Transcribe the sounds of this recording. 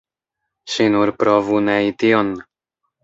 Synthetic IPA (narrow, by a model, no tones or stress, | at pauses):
ʃinuɾpɾovuneit̪ion